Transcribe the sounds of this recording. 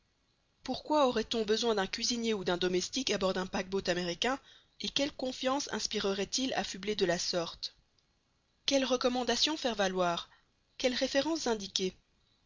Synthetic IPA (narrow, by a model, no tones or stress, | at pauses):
puʁkwaɔʁɛt̪ɔ̃bəzwɛ̃d̪ɛ̃kʲɥizinjeud̪ɛ̃d̪ɔmɛst̪ikabɔʁd̪ɛ̃pak̚bot̪ameʁikʲɛ̃ | ekʲɛlkɔ̃fjɑ̃sɛ̰̃spiʁəʁɛt̪ila̰fybled̪əlasɔʁt̪ | kʲɛlʁəkɔmɑ̃d̪asjɔ̃fɛʁvalwaːʁ | kʲɛlʁefeʁɑ̃sz̥ɛ̃d̪ikʲe